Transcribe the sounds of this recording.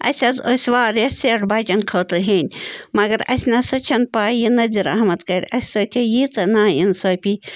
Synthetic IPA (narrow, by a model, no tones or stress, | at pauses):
ɐ̰sʲɐzosʲʋaːɾjɐeʈbaːʈʲɐnkʰɐːt̪ɨɾɦeːnʲmɐɡɐɾɐ̰sʲnɐsɐt͡ʃʰɐnpaːjinɐziɾɐ̰ɦmɐt̪kɐɾʲɐsʲsəːt̪ʰijit͡sɐnaːjinsɐːpʲi